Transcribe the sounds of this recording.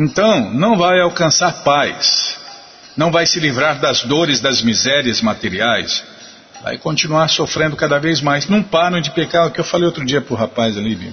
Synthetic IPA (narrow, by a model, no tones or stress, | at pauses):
ẽnt̪ɐ̃w̃nɐ̃w̃vajawkɐ̃saɾpajs | nɐ̃w̃vajsɪlivɾaɾd̪ɐzd̪oɾɪzd̪ɐzmizɛɾiɐzmat̪eɾiajs | va̰jkõt͡ʃinuaɾsofɾẽnd̪ʊkad̪ɐvejzmajznũpaɾɐ̃d͡ʒɪpekaɾʊkɪewfalejowt̪ɾʊd͡ʒiɐpɾʊɦapajzalibi